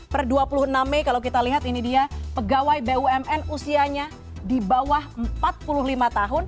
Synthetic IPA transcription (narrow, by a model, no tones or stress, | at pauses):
pərduapulʊhənamːekalawkit̪aliɦat̪inidiapəɡawajbeuɛmɛnusiaɲa | dibawahəmpat̪̚pulʊɦlimat̪aɦʊn